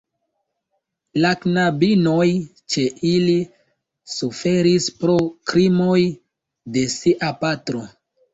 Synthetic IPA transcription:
laknabino̞j | t͡ʃe̞ʔili | sufe̞ɾispɾokɾimo̞j | de̞siʔapatɾo̞

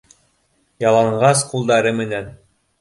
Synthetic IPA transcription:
jɑlˠɑɴɢɑsqulˠd̪ɑɾɤmɘ̆næn

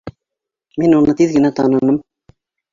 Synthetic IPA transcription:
minunɤt̪iðɡɘ̆næt̪ɑnɤ̆nɤm

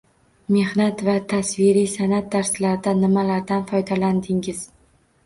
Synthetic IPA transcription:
me̞hnat̪vat̪ʰasvɪɾisanat̪̚d̪aɾslaɾd̪anɪmalaɾd̪anfɒjd̪aland̪ɪŋɪz̥

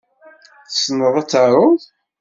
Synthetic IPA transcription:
θəsnəðˤat͡sːaɾˤʊð

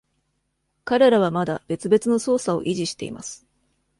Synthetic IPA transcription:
kaɾe̞ɾaβ̞amad̪ab̥e̞t͡sɨbe̞t͡sɨno̞so̞ːsao̞̰ʔiʑiɕi̥t̪e̞̰ḭma̰sɨ̥

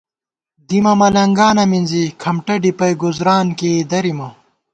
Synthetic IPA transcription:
d̪imɐmɐlɐŋɡaːnɐminzikʰɐmʈɐɖipɐjɡuzɾaːnkeːd̪ɐɾimɐ

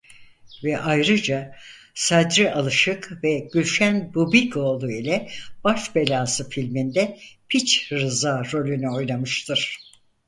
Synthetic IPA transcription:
vɛʔajɾɯd͡ʒa | sad̪ɾiʔalˠɯʃɯkvɛɟylʲʃænbubikʰo̞ːlˠuilʲɛb̥aʃbe̞lʲaːsɯfilʲmind̪ɛpʰit͡ʃɾɯzaːɾo̞lʲynyo̞jnamɯʃt̪ʰɯɾ̥

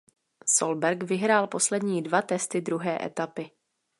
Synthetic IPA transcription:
solbɛɾkvɪɦɾaːlpo̞slɛdɲiːdvat̪ɛst̪ɪd̪ɾuɦɛːʔɛ̰t̪apɪ

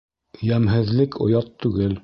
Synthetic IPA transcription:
jæmɦɘ̆ðlɘkʰŏ̰jɑt̪ːʉɡɘl

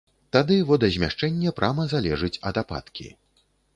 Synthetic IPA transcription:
t̪ad̪ɨvɔd̪ɐzʲmʲaʂt͡ʂɛnʲːɛpɾʔamɐzalʲɛʐɨt͡sʲɐd̪apa̰t̪kʲḭ

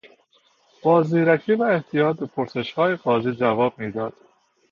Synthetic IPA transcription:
b̥ɒːzniːɾækʰiːvæeht̪ʰijɒːt̪̚bepʰoɾse̞ʃhɒːjeɡɒːziːd͡ʒævɒːb̥̚miːd̪ɒːd̪̥

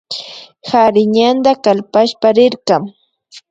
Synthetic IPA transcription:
haɾɪɲand̪akalpaʃpaɾɪɾqɑŋ

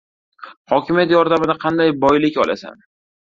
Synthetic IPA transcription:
hɒkʲʰɪmijat̪jɒɾd̪amɪd̪aqʰɑnd̪ajbɒjlɪkʲɒla̰sa̰n

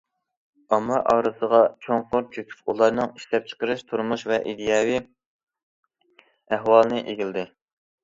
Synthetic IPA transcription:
ɑmɑʔɑːɾɨsəʁɑt͡ʃʰoŋqʊɾt͡ʃʰykʲʰy̥pulˠɑɾnɨŋiʃlɛp̚t͡ʃʰə̥qəɾɨʃt̪ʰuɾmuʃvɛʔid̪ejɑwi | æɦwɑlˠɨnɪʔeɡʲild̪ɪ

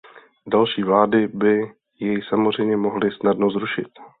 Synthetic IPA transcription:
dalʃiːvlaːdɪbɪ | jɛjsamo̞zr̝ɛjmɲɛmo̞ɦlɪsnadnozɾuʃɪt̪

